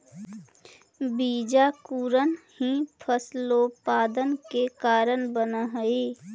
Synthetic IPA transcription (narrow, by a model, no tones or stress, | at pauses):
biːd͡ʒakuːɾənhĩpʰəslopaːd̪ənkekaːɾənbənaɦəeː